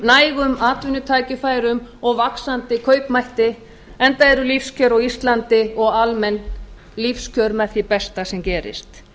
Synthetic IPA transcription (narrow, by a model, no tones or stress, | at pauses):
naːjɣʏmaːt̪vʏnʏt̪ʰaːcɪfaːjɾʏmɔɣvaksant̪ɪkʰœːɥpmajht̪ɪ | ɛnt̪aɛɾʏlifscʰœːɾaɣist̪lant̪ɪɔɣalmɛn | lifscʰœɾmɛθipɛst̪asɛmcɛːɾɪ̰st̪